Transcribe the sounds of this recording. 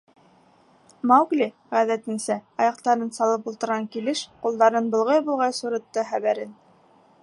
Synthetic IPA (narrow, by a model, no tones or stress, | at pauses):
mɑwɡlʲi | ʁæðæt̪ɘ̆nsæɑjɑq̚t̪ɑɾɤnsɑlˠɤpulˠt̪ɤ̆ɾʁɑŋkilɘʃqulˠd̪ɑɾɤnbɤ̆lˠʁɑjbulˠʁɑjsuɾɤ̆t̪ːɤχæβæɾɘn